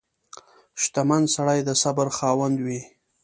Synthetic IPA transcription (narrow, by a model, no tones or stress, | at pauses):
ʃt̪amansaɽajd̪əsabaɾxɑwand̪wi